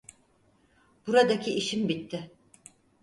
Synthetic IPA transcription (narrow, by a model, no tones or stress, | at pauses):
b̥uɾad̪akʰiiʃimbit̪ʰːɪ